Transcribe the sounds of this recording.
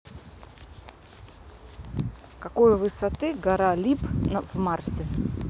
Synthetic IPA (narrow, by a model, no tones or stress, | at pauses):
kɐkojvɨsɐt̪ɨɡɐɾalʲipvmarsʲɪ